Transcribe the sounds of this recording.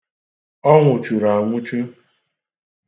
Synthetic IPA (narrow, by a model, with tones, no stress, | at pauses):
ɔ˦ŋʷʊ˨t͡ʃu˨ɾa˨ŋʷʊ˦t͡ʃu˦